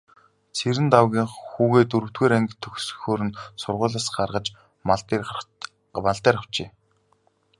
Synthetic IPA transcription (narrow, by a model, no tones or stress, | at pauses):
t͡sʰeɾɘ̆nt̪awɣʲiːŋxuːɣeːt̪ɵɾɵ̆w̥t̪̚ɡeːɾæŋɡʲɘ̆t̪ʰːɵxsɵ̥̆xoːɾɘ̆nsʊrʁʊːɮăsɢarʁə̆t͡ɕ̪ː | maɮt̪æːɾăw̥t͡ɕeː